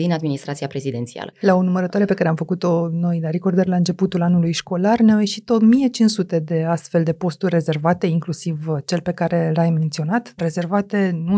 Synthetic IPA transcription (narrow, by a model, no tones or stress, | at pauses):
d̪inad̪minist̪ɾat̪siapɾe̞zid̪e̞nt̪sia̰lə̰lao̞numəɾət̪oaɾe̞pe̞kaɾeamfəkut̪o̞no̞jlaɾekord̪əɾlaɨnt͡ʃe̞put̪ulanulujʃko̞larneawje̞ʃit̪o̞mije̞t͡ʃinsut̪e̞d̪e̞ast̪fe̞ld̪e̞po̞st̪urʲːe̞ze̞rvat̪e̞iŋklusivt͡ʃe̞lpe̞kaɾe̞lajme̞nt̪sio̞nat̪re̞ze̞rvat̪e̞nu